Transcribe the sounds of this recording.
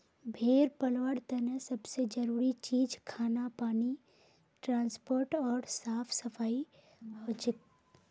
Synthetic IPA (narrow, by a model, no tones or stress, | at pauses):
bʱeːɾpɐlʋəɽt̪ɛnə̃sɐbsed͡ʒɐɾuːɾit͡ʃiːd͡ʒkʰaːnapaːni | ʈɾãːnspoːɾʈɔːɾsaːpʰsɐfʰaːi | hot͡ʃɪk